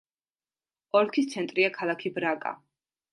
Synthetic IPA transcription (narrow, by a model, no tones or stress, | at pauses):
ɔɾkʰist̪sʰɛnt̪ʼɾiakʰalˠakʰibɾakʼa̰